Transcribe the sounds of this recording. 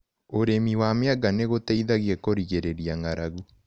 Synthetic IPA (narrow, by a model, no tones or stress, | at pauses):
oɾemiwameaɡaneɣoteiðaɣiekoɾiɣeɾeɾiaŋaɾaɣu